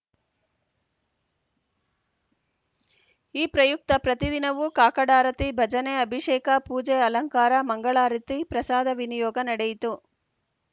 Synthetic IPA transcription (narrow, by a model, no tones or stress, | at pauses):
iːpɾɐjuk̚t̪ɐpɾɐt̪id̪inɐʋukaːkɐɽaːɾɐt̪ibʱɐd͡ʒɐneɐbʱiʂeːkɐpuːd͡ʒeɐlɐŋkaːɾɐmɐŋɡɐɭaːɾit̪ipɾɐsaːd̪ɐʋinijɔːɡɐnɐɽejit̪u